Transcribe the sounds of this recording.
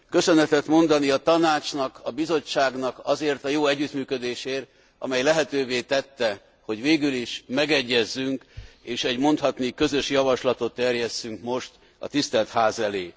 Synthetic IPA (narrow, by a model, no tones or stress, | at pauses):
kø̞sønɛt̪ɛt̪mo̞nd̪ɒniɒt̪ɒnaːt͡ʃnɒkɒbizo̞t͡ʃːaːɡnɒkɒzeːrt̪ɒjoːɛɟːyt̪myːkød̪eːʃeːr | ɒ̰mɛjlɛɦɛt̪øːveːt̪ɛt̪ːɛ | ho̞ɟʋeːɡyliʃmɛɡɛɟːɛzːyŋkeːʃɛɟmo̞nt̪hɒt̪nikø̞zø̞ʃjɒvɒʃlɒt̪o̞t̪ːɛrjɛst̪ːyŋkmo̞ʃt̪ | ɒ̰t̪ist̪ɛlt̪haːzɛleː